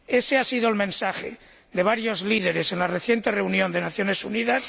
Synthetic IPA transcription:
e̞seasiðoelmẽnsaxḛ | ðe̞β̞aɾjo̞zliðe̞ɾe̞senlareθje̞nt̪e̞re̞unjo̞nd̪e̞naθjo̞ne̞suniðas

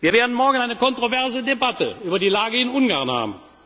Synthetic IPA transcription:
v̥iːɐveːɐdn̩mɔɐɡən̩aɪnəkɔntʁ̥ovɛɐzədebatə̰yːbɐdiːlaːɡəɪnʊnɡaːɐʁnha̰ːbm̩

